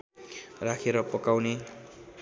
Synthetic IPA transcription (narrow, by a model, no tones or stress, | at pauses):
rakʰeɾʌpʌkawne